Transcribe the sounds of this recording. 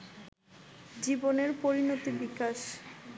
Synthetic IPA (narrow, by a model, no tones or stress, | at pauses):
d͡ʑiboneɾpoɾinot̪ibikaʃ